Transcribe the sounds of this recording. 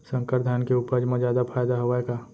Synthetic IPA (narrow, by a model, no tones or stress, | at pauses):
sə̃ŋkəɾd̪ʱaːnkeuːpəɾd͡ʒmẽzjaːd̪apʰaːjd̪aɦoʋaeka